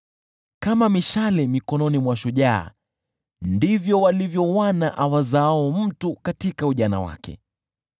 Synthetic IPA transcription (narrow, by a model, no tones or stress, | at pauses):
kamamiʃalɛmikɔnɔnimwaʃuʄa̰ː | ndivjɔwalivjɔwanaʔawazaaɔm̩tukatikauʄana̰wa̰kɛ̰